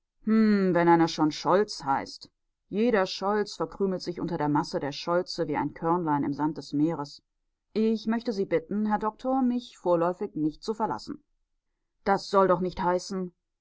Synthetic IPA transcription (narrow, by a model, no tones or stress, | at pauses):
mm̩vɛnʔaɪnɐʃoːnʃɔlt͡shaɪst | jeːɾɐʃɔlt͡sfɛɐkʁ̥yːml̩tz̥ɪçʔʊ̰ntɐdeːɐmasədeːɐʃɔlt͡səviːa̰ɪnkʰɛɐnlaɪnɪ̰mzant̚d̥ɛsmeːʁəs | ʔɪçmœçtəziːbɪtn̩ɦɛɐdɔk̚tʰoɐmɪçfoːɐlɔʏfɪçnɪçt̚t͡sufɛɐla̰sn̩ | dd̥asz̥ɔldɔχnɪçthaɪsn̩